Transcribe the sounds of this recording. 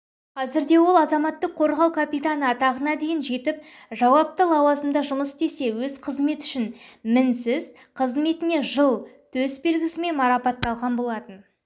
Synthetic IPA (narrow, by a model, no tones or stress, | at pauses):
qʰɑzɪɾd̪e̞wo̞lˠɑzɑmɑt̪ːəqʰːo̞ɾʁɑwkʰapijt̪anəɑt̪ɑʁənɑd̪e̞jɪnʒe̞t̪ɪp̚ʒɑwɑp̚t̪əlˠɑwɑzəmd̪ɑʒʊməsd̪e̞se̞wɵzqʰəzme̞t̪ʏ̥ʃɪnmɪnsɪz | qʰəzme̞t̪ɪne̞ʒəlˠt̪ʰɵsbe̞lɡʲɪsɪme̞nmɑɾɑpɑt̪ːɑlˠʁɑnbo̞lˠɑt̪ən